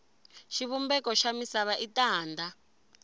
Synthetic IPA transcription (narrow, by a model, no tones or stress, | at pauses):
ʃiβumbɛkɔʃamisaβaʔitaːnda